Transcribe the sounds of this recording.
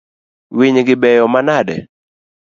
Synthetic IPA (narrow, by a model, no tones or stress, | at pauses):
wiɲɡɪbɛjɔmanadɛ̰